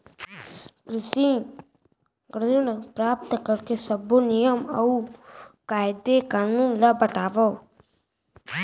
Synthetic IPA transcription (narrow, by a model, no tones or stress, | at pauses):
kɾɪsĩ | ɡɾnpɾaːp̚t̪əkəɾkesəbonijəmɐukaːjd̪ekaːnũːnlɐbəʈaːʋɔ